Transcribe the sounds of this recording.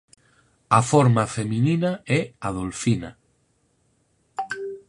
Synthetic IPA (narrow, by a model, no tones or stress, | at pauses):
afɔɾmafemĩnĩnaɛaðolfina